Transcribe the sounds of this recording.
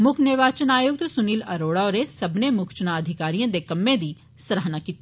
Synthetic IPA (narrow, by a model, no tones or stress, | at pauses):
mʊkʰnɪɾʋaːt͡ʃənaːjʊɡ̚t̪sʊniːlɐɾoːɽaɔːɾesɐbnemʊkʰt͡ʃənaəd̪ʱɪkaːɾijãːd̪ekɐmːẽd̪iː | sɾəɦnaːkiːt̪i